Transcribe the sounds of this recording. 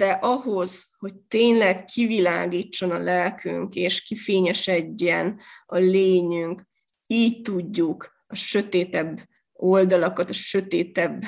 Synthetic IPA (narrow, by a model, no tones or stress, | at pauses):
d̪̥ɛʔɒɦo̞z̥ho̞c̚t̪eːɲlɛɡkʰivilaːɡiːt͡ʃːo̞nɒlɛlkʰy̰ŋkeːʃkifeːɲɛʃɛɟːɛnɒleːɲyŋk | iːct̪uɟːuk | ɒʃø̞t̪eːt̪ɛbː | o̞ld̪ɒlɒkɒt̪ɒʃø̞t̪eːt̪ɛbː